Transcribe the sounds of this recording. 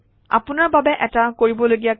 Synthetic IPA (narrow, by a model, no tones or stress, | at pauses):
a̰pʊnaɹbabɛʔɛtakoɹibɔloɡija